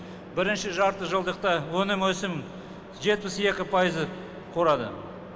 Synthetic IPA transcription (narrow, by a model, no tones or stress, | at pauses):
bɪɾɪnʃɪʒɑɾt̪əʒəlˠd̪əq̚t̪ɑwɵnɪmwɵsɪm | ʒe̞t̪̚pɪse̞kʲɪpʰɑjəzə | qʰo̞ɾɑd̪ə̰